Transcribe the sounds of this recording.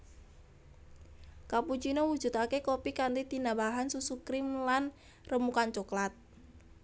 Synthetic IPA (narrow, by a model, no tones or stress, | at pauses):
kaput͡ʃinawu̥d͡ʒ̥ṳt̪akekopikant̪it̪inabaɦansusukɾɪmlan | rəmukant͡ʃɔklat̪̚